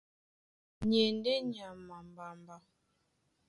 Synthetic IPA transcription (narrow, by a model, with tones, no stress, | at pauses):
ɲe˨n˦de˦ɲ˨a˨ma˨m˨ba˨mba˨